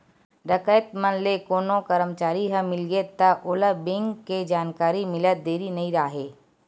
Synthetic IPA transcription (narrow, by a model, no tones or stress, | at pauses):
ɾɐkəjt̪mənlekoːnokəɾəmt͡ʃaːɾiɦə̃mɪlɡet̪ɐʔoːləbɪ̃ŋɡked͡ʒaːnkaːɾimɪlət̪̚d̪eːɾinɐɦĩɾaːɦeː